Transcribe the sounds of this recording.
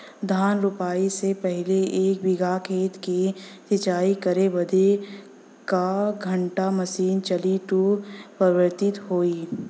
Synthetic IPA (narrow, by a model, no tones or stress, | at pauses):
d̪ʱaːnɾʊpaːisepɛɦleeːkbɪɡʱaːkʰeːt̪kisɪt͡ʃaːikɐɾeʋɐd̪e | kaɡʱə̃ɳʈamɐsiːnt͡ʃɐliʈuːpɾɐʋəɾt̪ɪt̪ɦoːiː